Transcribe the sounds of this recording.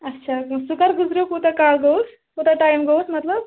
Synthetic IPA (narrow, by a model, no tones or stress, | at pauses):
ɐtːɕʰasukəɾɡud͡zɾjokut̪ekalɡows | kut̪aʈajmɡowsmɐt̪ləb̚